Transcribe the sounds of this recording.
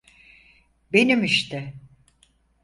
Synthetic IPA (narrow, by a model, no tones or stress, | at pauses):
benimiʃt̪ʰɪ